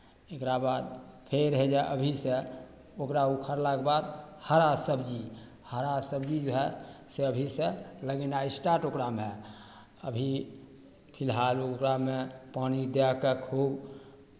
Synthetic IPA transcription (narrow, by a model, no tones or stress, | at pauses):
ekɾabad̪pʰeɾɦɛd͡ʒaʔəbʱisẽ | okɾaukʰəɾlakbad̪həɾasəbd͡ʒi | həɾasəbd͡ʒid͡ʒoɦɛseəbʱisẽləɡenaisʈaʈokɾame | əbʱi | pʰilɦalokɾamepanid̪ɛkekʰub